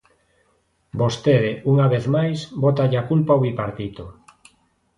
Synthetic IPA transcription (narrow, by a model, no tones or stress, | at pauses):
bost̪eðeuŋaβeθmajsbot̪aʎakulpaoβipaɾt̪it̪o